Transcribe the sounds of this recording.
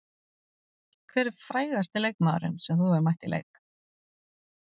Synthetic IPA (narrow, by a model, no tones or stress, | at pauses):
kʰvɛːɾɪɾ̥fɾaːjɣast̪ɪlejkmaːðɾʏ̰nsɛmθuɛɾmajht̪ilḛjk